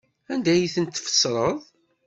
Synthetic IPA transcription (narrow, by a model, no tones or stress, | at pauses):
ænd̪æjiθənt̪ːfə̥sːɾˤəðˤ